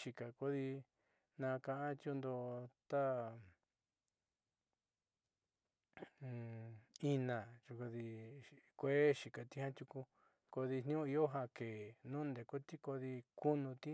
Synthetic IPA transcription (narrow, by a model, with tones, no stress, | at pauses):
ʃi˨ka˨ko˦ði˧ | nã˧kã˧ʔã˦t̪jo˧nd̪o˧t̪a˦˨ | i˧nã˨t͡ʃu˧ko˧ði˧kʷe˦ʃi˨ka˨t̪i˧hã˦t̪ʲju˧ku˧ | ko˧ði˧n̥nĩ˦ũ˦i˧o˦ɦã˧ke˨nũ˦nd̪e˨ko˦t̪i˦ko˧ði˧ku˦nũ˧t̪i˦